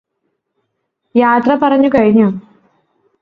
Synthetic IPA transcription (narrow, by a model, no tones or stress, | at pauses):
jaːt̪rɐpɐrɐɲːukɐɻiɲːu